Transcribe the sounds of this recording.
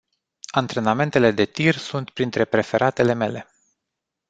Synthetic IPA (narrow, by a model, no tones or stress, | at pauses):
ant̪ɾe̞name̞nt̪e̞le̞d̪e̞t̪irsunt̪pɾint̪ɾe̞pɾe̞fe̞ɾʔat̪e̞le̞me̞le̞